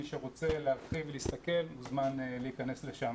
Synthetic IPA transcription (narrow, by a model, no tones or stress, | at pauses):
iʃeʁo̞t͡se̞lealχivelist̪ake̞lmuzmanleikane̞sleʃam